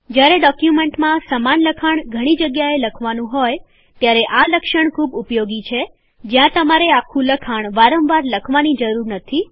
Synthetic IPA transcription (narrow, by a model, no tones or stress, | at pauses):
d͡ʒjaɾeɖɔkjumeɳʈmãsəmanləkʰaɳɡʱəɽ̃id͡ʒəɡjaeləkʰʋanũɦoj | t̪jaɾeʔaləkʃəɳkʰubupjoɡit͡ʃʰe | d͡ʒjãt̪əmaɾeakʰũləkʰaɳ̃ʋaɾə̃mʋaɾləkʰʋanid͡ʒəɾuɾnət̪ʰi